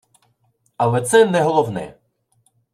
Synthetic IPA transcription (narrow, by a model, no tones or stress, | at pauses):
ɐlɛt̪sɛnɛɦɔlˠɔwnɛ̰